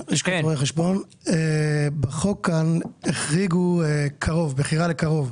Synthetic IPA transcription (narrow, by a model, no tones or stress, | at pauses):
iʃkaoʁejχeʃbon | ebeχokaneχʁiɡukʰaʁo̞vbeχiʁalekaʁo̞v